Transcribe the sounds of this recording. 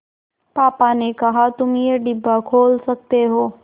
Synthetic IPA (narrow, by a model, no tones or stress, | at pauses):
paːpanekɐɦat̪ʊmjeɖɪbʱːakʰoːlsɐk̚t̪eɦoː